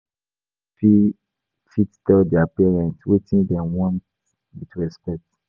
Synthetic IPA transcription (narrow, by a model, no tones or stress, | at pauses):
fi | fittɛldɛapɛɹɛ̃ntwetĩndɛ̃mwɔ̃nt | witɹɛspɛk̚t